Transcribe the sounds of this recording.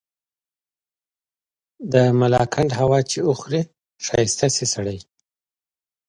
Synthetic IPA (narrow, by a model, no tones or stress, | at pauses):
d̪əmalɑ̰kʰaɳɖɦawɑt͡ʃeuxɾi | ʃɑjst̪asisaɽaj